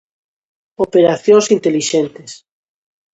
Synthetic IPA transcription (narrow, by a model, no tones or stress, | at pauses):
opeɾaθjõŋsint̪eliʃẽnt̪es